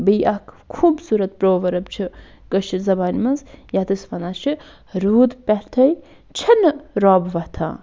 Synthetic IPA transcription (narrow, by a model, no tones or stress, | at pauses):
bijɐkʰkʰuːbsuːɾɐt̪̚pɾoːʋɐɾɐbt͡ʃʰi | kɐʃʰizɐbaːnmɐnzjat̪ɨsʋɐnat͡ʃʰi | ɾuːd̪pʲɛɾt̪ʰɐj | t͡ʃʰɐnːɨɾɔːbʋɐt̪ʰã̰ː